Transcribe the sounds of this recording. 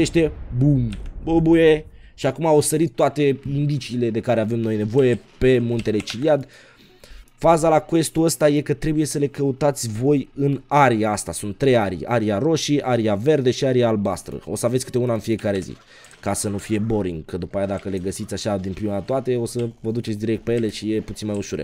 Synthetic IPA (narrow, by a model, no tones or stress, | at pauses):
eʃt̪e̞bumbubujeʃiakumaosəɾit̪ːoat̪e̞ind̪it͡ʃiːle̞d̪e̞kaɾe̞ave̞mno̞jne̞vo̞je̞pe̞munt̪e̞let͡ʃiliad̪ | fazalakue̞st̪uəst̪aje̞kət̪ɾe̞buje̞səle̞kəut̪at̪sʲvo̞jɨnaɾiaast̪asunt̪ːɾe̞jaɾḭja̰ɾiaɾo̞ʃiʔaɾiave̞rd̪e̞ʃiaɾiaːlbast̪ɾə̰o̞səavet̪sʲkɨ̥t̪eunaɨnfije̞kaɾe̞zḭ | kasənufije̞bo̞ɾiŋɡkəd̪upajad̪akəle̞ɡəsit̪sʲaʃad̪impɾiuməat̪oat̪e̞o̞səvəd̪ut͡ʃet̪sd̪iɾekt̪peje̞le̞ʃije̞put̪inmajuʃuɾḛ